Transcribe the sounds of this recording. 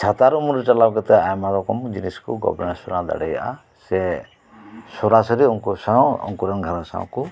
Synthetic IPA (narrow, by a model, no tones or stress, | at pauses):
t͡ʃʰat̪aɾumuɾɛt͡ʃɔlabkɛt̪ɛajmaɾɔkɔmd͡ʒiniskuɡɔ̰bɛnaɾsɔɾad̪a̰ɽɛja̰ʔa̰ | se | sɔɾasɔɾeuŋkusaw̃ɔ̰ŋkuɾɛnɡʱaɾasa̰w̃ku